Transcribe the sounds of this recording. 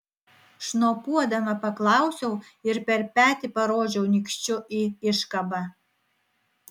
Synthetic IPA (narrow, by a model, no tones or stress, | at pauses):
ʃnoːpuɔd̪ɐmɐpɐklˠɑʊsʲɛʊɪɾpʲɛɾpʲæːt̪ʲɪpɐɾoːʒʲɛʊnʲikʃʲt͡ʃʲʊʔiɪʃkɐbɐ